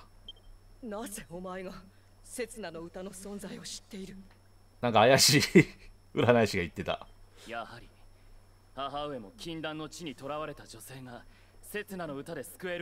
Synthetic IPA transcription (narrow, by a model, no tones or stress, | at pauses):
naze̞o̞maeɡa | se̞t͡sɨnano̞ɯ̟t̪ano̞sõ̞nd͡zaio̞ɕi̥t̪ːe̞iɾɯ̟ | nãŋkaːjaɕi | ɯ̟ɾanaiɕiɡait̪ːe̞t̪a̰jahaɾʲi | haɦaɯ̟e̞mo̞kʲĩnd̪ãnːo̞t͡ɕiɲ̟it̪o̞ɾaβaɾe̞t̪ad͡ʑo̞se̞ːɡa | se̞t͡sɨnano̞ɯ̟t̪ad̪e̞sɨ̥kɯ̟e̞ɾ